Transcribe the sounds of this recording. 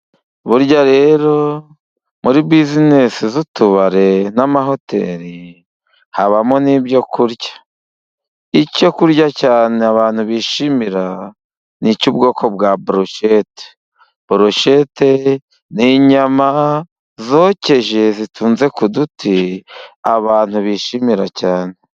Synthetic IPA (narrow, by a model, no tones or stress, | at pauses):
βuɾɟaɾe̞ːɾo̞ | muɾibizine̞sizutuβaɾe̞namaɦo̞te̞̰ɾi | haβamo̞nibjo̞kuɾɟḁ | ico̞kuɾɟacaːneaβaːn̥huβiːʃimiɾa | nicub̚ɡo̞ːko̞bɡabɾoʃete̥ | b̥uɾoʃete | niɲama | zo̞ːce̞ʒe̞zitʰuːnze̞kudutʰi | aβaːn̥huβiʃimiɾacaːne̞